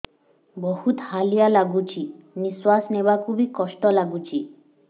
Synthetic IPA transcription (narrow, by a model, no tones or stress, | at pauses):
bɔhut̪halijalaɡut͡ʃʰimiswasnebakubʱikɔsʈɔlaɡut͡ʃʰi